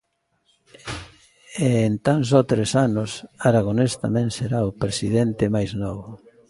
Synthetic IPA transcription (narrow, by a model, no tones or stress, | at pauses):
eːnt̪ans̬ɔt̪ɾesanʊsaɾaɣ̞onest̪a̰mɛ̃ŋseɾaopɾesiðent̪ɪmajznɔβʊ